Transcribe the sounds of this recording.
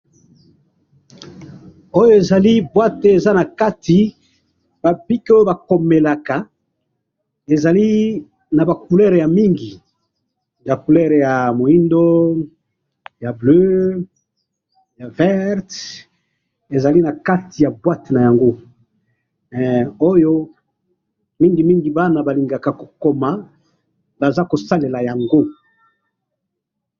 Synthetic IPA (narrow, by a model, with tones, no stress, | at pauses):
o˦jo˦e˨za˨li˦bwa˦te˨za˦na˨ka˦ti˨ | b̥a˨bi˦ko˦jo˦ba˨ko˨me˨la˨ka˨ | e˨za˨li˦ | na˨ba˨ku˨lɛ˦ʁja˨mi˦ŋɡi˨ | ja˨ku˨lɛ˦ʁja˨mo˨i˦ndo˦ | ja˨blø˦ | ja˨vɛ˦ʁt | e˨za˨li˦na˨ka˦ti˨ja˨bwa˦tna˨ja˨ŋɡo˦ | o˦jo˦ | mi˦ŋɡi˨mi˦ŋɡi˨ba˦na˨ba˨li˨ŋɡa˨ka˨ko̥˨ko˨ma˨ | ba˨za˦ko˨sa˦le˨la˨ja˨ŋɡo˦